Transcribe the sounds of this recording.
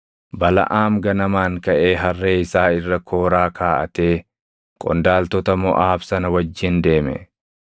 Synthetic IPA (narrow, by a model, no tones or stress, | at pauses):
bɐlɐ̰ʔaːmɡɐnɐmaːŋkɐʔe̞ːɦɐrːe̞ːɪsaːɪrːɐkʰoːɾaːkʰaːʔɐ̰t̪eː | kʼɔ̰nd̪aːlt̪ɔt̪ɐmɔʔaːbsɐnɐwɐd͡ʒːɪnd̪e̞ːmɛ̰